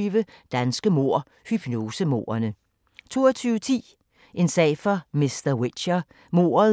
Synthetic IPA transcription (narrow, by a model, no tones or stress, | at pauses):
ʋəd̥ænsɡ̥əmo̝ɐ̰ | hyb̥no̝ːsəmo̝̰ːɐnə | t͡sʰo̝̰ːɐt͡sʰyːʊət͡sʰḭː | ʔe̝nsɛ̰ːɪfɒmisd̥ɐwe̥ɕɐ | mo̝̰ːɐ